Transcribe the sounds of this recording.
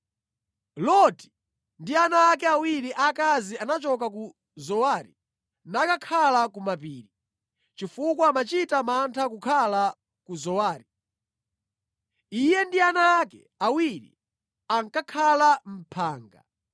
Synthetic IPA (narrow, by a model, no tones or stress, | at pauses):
lɔti̥ | ndianaːkɛawiɾiʔakazianat͡ʃɔk̬aku | zɔwaːɾi | nakakʰalakumapiːɾi | t͡ʃifukwaːmat͡ʃitamantʰakukʰala | kuzɔwaːɾi | ijɛndianaːkɛ | awiɾḭ | aŋkakʰalam̩pʰaːŋɡa̰